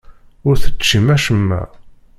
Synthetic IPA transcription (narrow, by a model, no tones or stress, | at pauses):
ʊɾθəːimæʃəmːæ̰